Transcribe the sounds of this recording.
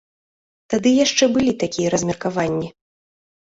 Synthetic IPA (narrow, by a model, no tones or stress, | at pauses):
t̪ad̪ɨjaʂt͡ʂɛbɨlʲit̪akʲijɐɾɐzʲmʲɛrkavanʲːi